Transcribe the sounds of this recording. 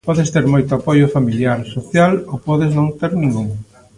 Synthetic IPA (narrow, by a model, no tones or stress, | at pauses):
pɔðest̪eɾmojt̪ʊapojʊfamiljaɾsoθjalowpɔðeznõŋt̪eɾnĩŋɡuŋ